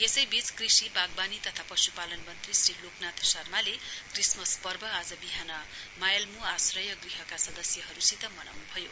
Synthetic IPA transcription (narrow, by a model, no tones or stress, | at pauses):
esʌjbit͡skrisibaɡ̚banit̪ʌt̪ʰapʌsupalʌnmʌnt̪risriloknat̪ʰsʌrmalekrismʌspʌrbʱʌad͡zʌbiɦanʌmajʌlmuasrʌjʌɡriɦʌkasʌd̪ʌsjʌɦʌɾusit̪ʌmʌna̰wnubʱʌjo